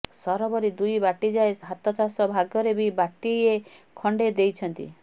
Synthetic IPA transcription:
sɔɾɔbɔɾid̪ujbaʈid͡ʒaeɦat̪ɔt͡ʃasɔbʱaɡjɔɾebibaʈiekʰɔɳɖed̪ejt͡ʃʰɔnt̪ḭ

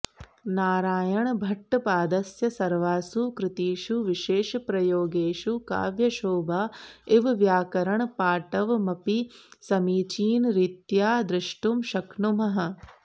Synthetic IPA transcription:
naːɾaːjɐɳbʱɐʈːɐpaːd̪ɐsjɐsɐɾʋaːsukɾɪt̪iːʃuʋiʃeːʃpɾɐjoːɡeːʃuka̰ːʋjɐʃoːbaːɪʋʋjaːkɐɾɐɳpaːʈɐʋmɐpisɐmiːt͡ʃiːnɾit̪jaːd̪ɾɪʂʈumʃɐkɳumɐɦɐ̆

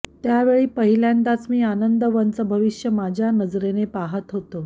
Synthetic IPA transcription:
t̪jaʋeɭiːpəɦiljant̪at͡smiːanənd̪əʋənt͡səbʱəʋiʂjəmad͡ʑʱjanəd͡zɾenepaɦət̪ɦot̪o

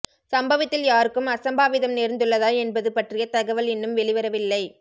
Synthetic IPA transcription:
sɐmbɐʋɐt̪ːɪljaːɾɯkːɯmɐsɐmbaːʋɪðɐmneːɾnd̪ɯɭːɐðaːɛnbɐðɯpɐʈrɪjɐt̪ɐɣɐʋɐlɛnːɯmʋɛɭɪʋɐɾɐʋɪlːɐɪ

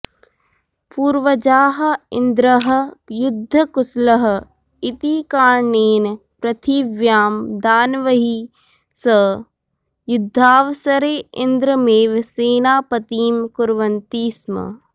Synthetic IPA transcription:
puːɾʋɐd͡ʒaːɦɐɪnd̪ɾɐɦɐ̆jʊd̪ʱːɐkʊslɐɦ | ɪt̪iːkaːɾɳeːn | pɾɐt̪ʰiːʋjaːmd̪aːnʋɐɦi | sə | jʊd̪ʱːaːʋsɐɾeːɪnd̪ɾəmeːʋseːnaːpɐt̪iːmkʊɾʋɐnt̪iːsmɐ̰

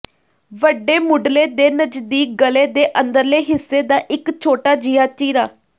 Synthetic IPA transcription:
ʋəɖːeːmʊɖleːd̪eːnəd͡ʒd̪iːk̚ɡəleːd̪eːʔənd̪əɾleːɦɪsːeːd̪aːʔɪkt͡ʃʰoːʈaːd͡ʒijaːt͡ʃiːɾaː

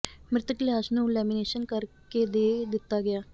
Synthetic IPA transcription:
mɾɪt̪əkleasnuːlɛmineɕənkəɾked̪ed̪it̪aɡejaː

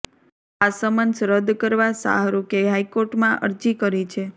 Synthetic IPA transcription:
asəmənsɾəd̪kəɾʋasa̰ɦaɾukeɦaikoɾʈmãʔə̰ɾd͡ʒikəɾit͡ʃʰe

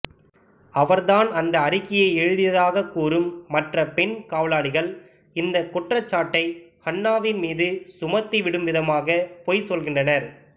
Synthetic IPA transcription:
ɐʋɐɾðaːnɐnd̪ɐːɾɪkːɪjɐɪɛɻɯðɪjɐðaːɣɐkːuːɾɯmːɐʈrɐpɛnkaːʋɐlaːɽɪɣɐɭ | ɪnd̪ɐkːʊʈrɐt͡ʃːaːʈːɐɪhɐɳːaːʋɪnmiːðɯsʊmɐt̪ːiʋɪɽɯmʋɪðɐmaːɣɐpɔːjsɔlɣɪɳdrɐnɐɾ

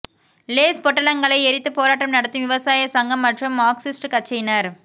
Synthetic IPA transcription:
leːspɔʈːɐlɐŋɡɐɭɐɪɛɾɪt̪ːɯpoːɾaːʈːɐmnɐɽɐt̪ːɯmʋɪʋɐsaːjɐsɐŋɡɐmːɐʈrɯmːaːksɪsʈkɐt͡ʃːɐjnɐɾ

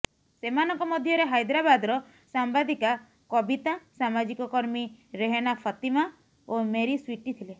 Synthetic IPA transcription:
semanɔŋkɔmɔd̪ʱjɔɾeɦajd̪ɾabad̪ɾɔ | sambad̪ika | kɔbit̪asamad͡ʒikɔkɔɾmiɾeɦenapʰɔt̪ima | omeɾiswiʈit̪ʰile

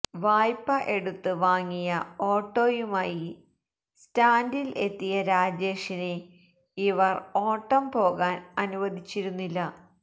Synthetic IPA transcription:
ʋaːjpːɐʔe̞ɽut̪ːɨʋaːŋːijɐo̞ːʈːoːjumaːji | staːndile̞t̪ːijɐɾaːd͡ʑe̞ːʂine | iʋɐro̞ːʈːɐmpo̞ːɣaːnɐnuʋɐd̪ʱit͡ɕːiɾunːilːɐ

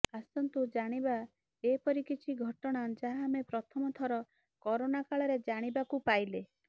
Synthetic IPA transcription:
asɔnt̪ud͡ʒaɽ̃iba | epɔɾikit͡ʃʰiɡʱɔʈɔɽ̃ad͡ʒaɦamepɾɔt̪ʰɔmɔt̪ʰɔɾɔ | kɔɾonakaɭɔɾed͡ʒaɽ̃ibakupajle

